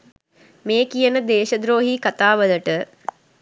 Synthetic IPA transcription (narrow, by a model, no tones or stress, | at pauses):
meːkijənəd̪eːʃɐd̪ɾoːɦikɐt̪aːʋələʈə